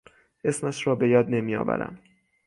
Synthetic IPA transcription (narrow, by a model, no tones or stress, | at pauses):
ʔe̞smæʃrɒːbe̞jɒːd̪ne̞mijɒ̰ːvæ̰ɾæ̰m